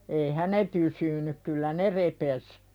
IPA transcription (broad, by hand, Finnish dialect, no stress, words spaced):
eihæ ne pysyny kylːæ ne repes